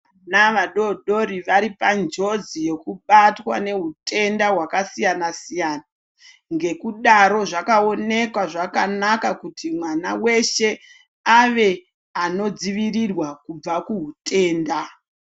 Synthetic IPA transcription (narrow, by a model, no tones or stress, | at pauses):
anaʋaɗo̞ɗo̞ɾiʋaɾipand͡ʒo̞d͡zije̞kuɓatwa̰ne̞ɦutʰe̞ndaɦwakasijanasijaːna | ŋɡe̞kuɗaɾo̞ʐakao̞ne̞kwaʐakanakakutimwana̰we̞ʃe̞ | aʋe̞ | ano̞d͡ziʋirirwakub͡vakuɦute̞ːnda